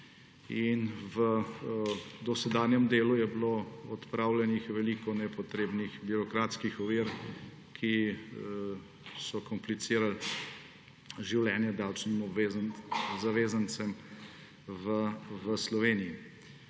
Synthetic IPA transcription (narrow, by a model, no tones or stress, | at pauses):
invə | d̪ɔsɛd̪aːnjɛmd̪eːlujɛbloɔt̪pɾaːwlɛnixʋɛliːkɔnɛpɔt̪ɾeːbnixbiɾɔkɾaːt̪skixɔʋiːɾ | kʰi | sɔkɔmplit̪siːɾal | ʒiwlɛːnjɛd̪awt͡ʃnimɔbezzaʋeːzant̪sɛm | ʋəʋəslɔʋeːnii